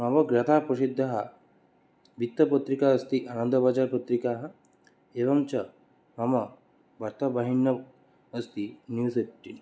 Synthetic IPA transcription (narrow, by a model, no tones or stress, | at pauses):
maʋɐɡɾɐt̪ʰapɾɐsid̪ʱːɐɦa | bʱit̪ːɐpɐt̪ɾikaəst̪iʔanənd̪ʱɐbad͡ʒaɾpət̪ɾikaːɦɐ | eʋɐmt͡ʃɐ | mɐmɐ | bɐɾt̪ɐbaɦinjɐ | əst̪injuːsep̚ʈːin